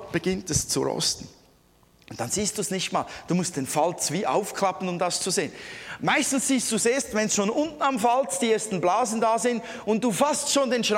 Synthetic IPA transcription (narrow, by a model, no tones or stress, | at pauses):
b̥əɡɪntɛst͡sṵɾɔ̰stn̩ | ʔʊntd̥anz̥iːst̚d̥uːsnɪçtma̰ːld̥uːmʊst̚d̥enfalt͡sviːʔa̰ʊfkʰl̥apən̩ʊmdast͡suzeːənmaɪstn̩sz̥iːstd̥uːseːstvɛnsʃoːnʔʊntn̩amfalt͡sd̥ieːɐstn̩blaːzn̩daːzɪnt | ʊntd̥uːfastʃoːndeːnʃʁ